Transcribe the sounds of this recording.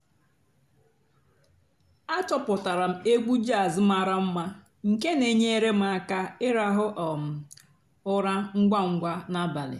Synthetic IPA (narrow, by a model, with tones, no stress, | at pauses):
a˦tɔ˨pʊ˨ta˨ɾa˨m̩˦e˦ɡu˦d͡ʒa˦˨zɪ˦m̩˦a˨ɾa˦m̩˦ma˦ | ŋ̩˨ke˦ne˨ɲe˦e˦ɾe˦m̩˦a˨ka˦ɪ˦ɾa˦ɦʊ˦ʔɔ˨m̩˨ | ʊ˦ɾa˦ŋ̩˦ɡ͡ba˦ŋ̩˦ɡʷa˦na˦ba˨lɪ̰˨